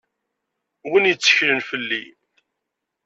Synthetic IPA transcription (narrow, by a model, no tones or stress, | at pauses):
wənjt͡sːə̥çɾənfəlːi